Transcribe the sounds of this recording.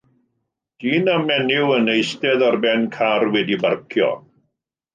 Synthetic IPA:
d̥iːnamɛnɪwənejstɛðarbɛnkʰarwɛdibarkʰjɔ̰

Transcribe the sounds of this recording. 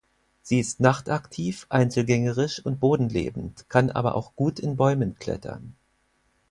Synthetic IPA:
z̥iːɪstnaχtaktʰiːfʔaɪnt͡sl̩ɡɛŋəʁɪʃʊnt̚b̥oːdn̩lḛːbm̩tkʰanʔa̰ːbɐ̰ʔa̰ʊxɡ̥uːtɪnbɔʏmənkl̥ɛ̰tʰɐ̰n

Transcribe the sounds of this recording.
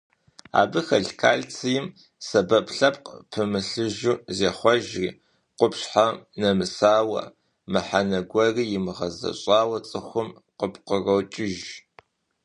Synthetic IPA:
a̰ːbɨxɐɮkʰaːɮt͡sʰɨjɪm | sɐbɐpʰɬɐpqpʰɨmɨɬɨʒuːzeːχʷɔʒrḭː | qʷʊpɕħanɐmɨsaːwɐ̰ | mɨħanɐɡʷɐriːjɪmɨʁɐzɐ̰ɕʼɑːwɐt͡sʼɨxʷʊm | qəpqərɐwt͡ʃʼɪʒ

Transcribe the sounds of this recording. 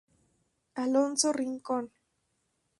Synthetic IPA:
alont͡soriŋkon

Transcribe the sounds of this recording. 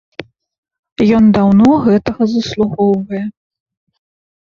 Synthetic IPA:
jɔnd̪awnɔɣɛt̪ɐɣɐzɐslˠuɣɔwvɐjɛ

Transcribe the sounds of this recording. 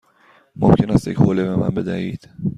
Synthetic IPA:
momcʲʰe̞næst̪jechoːlebemæ̰nbe̞d̪æhiːd̪̥

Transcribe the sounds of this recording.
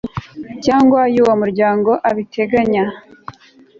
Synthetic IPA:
caːŋɡwajuwomuɾɟaːŋɡo̞ʔaβitʰe̞ɡaɲa

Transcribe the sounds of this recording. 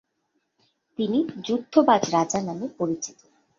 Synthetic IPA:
t̪inid͡ʑud̪ʰʱːobad͡ʑɾad͡ʑanamepoɾit͡ɕi̥t̪o

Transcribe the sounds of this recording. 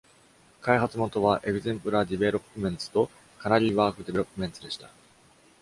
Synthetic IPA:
kaiɦat͡sɨmo̞t̪o̞βaʔe̞ɡɯ̟zẽ̞mpɯ̟ɾad̪ʲiβe̞ɾo̞pːɯmẽ̞nt͡sɨ̥t̪o̞ | kanaɾʲiːβaːkɯ̟d̪e̞eɾo̞pːɯ̟mẽ̞nt̪ɨd̪e̞ɕi̥t̪ḁ

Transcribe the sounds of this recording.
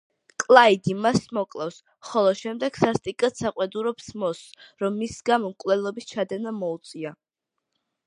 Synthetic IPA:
kʼlˠaid̪imasmɔkʼlˠafs | χɔlˠɔʃɛmd̪ɛɡ̥sast̪ʼikʼat̪saqʼwɛd̪uɾɔpsmɔsɾɔmːisɡamɔmkʼvlɛlˠɔbist͡ʃʰad̪ɛnamɔut̪sʼia

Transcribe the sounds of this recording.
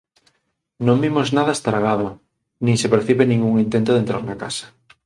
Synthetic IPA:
nõmbimoznaðaest̪ɾaɣaðo | nĩŋsepeɾθiβenĩŋɡuŋint̪ent̪oðent̪ɾa̰ɾnakasḁ

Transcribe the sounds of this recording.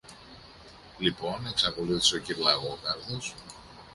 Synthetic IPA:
lipo̞ne̞ksɐko̞luθi̥seo̞ciɾlɐɣo̞kɐɾθos

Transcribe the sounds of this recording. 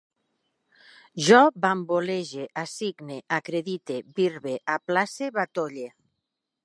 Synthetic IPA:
ʒɔbamboleʒeʔasiɡneʔakɾeðit̪eβiɾβeʔaplaseβat̪oʎe

